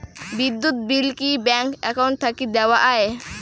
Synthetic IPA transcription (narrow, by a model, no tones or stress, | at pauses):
bid̪ːut̪̚bilkibɛŋkɐkawɳʈ̚t̪ʰːɐkid̪ɛwaʔaɦe